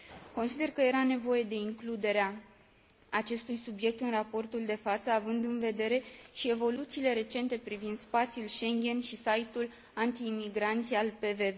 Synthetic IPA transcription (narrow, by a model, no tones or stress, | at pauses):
ko̞nsid̪e̞rkəje̞ɾane̞vo̞je̞d̪e̞iŋklud̪e̞ɾea | at͡ʃe̞st̪ujsubje̞k̚t̪ɨnrapo̞rt̪uld̪e̞fat̪səavɨnd̪ɨnve̞d̪e̞ɾe̞ʃie̞vo̞lut̪siːle̞ɾe̞t͡ʃe̞nt̪e̞pɾivind̪spat̪sjulʃe̞ŋɡʲe̞nʃisait̪ul | ant̪iːmiɡɾant̪sijalpe̞ve̞ve